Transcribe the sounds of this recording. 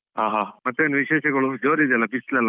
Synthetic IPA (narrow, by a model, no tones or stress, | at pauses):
ɦaːɦaːmɐt̪ːueːnuʋiʃeːʃɐɡɐɭud͡ʒoːɾid̪ɛlːɐpislɛlːa